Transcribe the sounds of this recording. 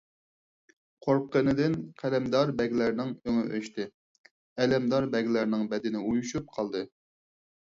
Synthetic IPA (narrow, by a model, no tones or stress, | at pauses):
qʰoɾp̚qːənɨd̪ɪnqʰælɛmd̪ɑɾbɛɡʲlæɾnɪŋøŋɨʔøʃt̪ɪ | ɛlɛmd̪ɑɾbɛɡʲlæɾnɪŋbɛd̪ɪnɪujuʃup̚qʰɑlˠd̪ɨ